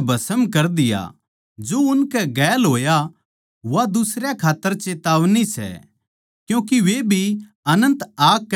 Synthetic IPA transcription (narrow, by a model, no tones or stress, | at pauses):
bʱɐsəmkɐɾd̪ɪja̰ | d͡ʒoʊnkɛɡɛːlɦoːja | ʋad̪ʊsɾjakʰaːt̪ːəɾt͡ʃeːt̪aːʋnisɛ̰ | kjũːkiʋebʱi | ɐnə̃nt̪aːkː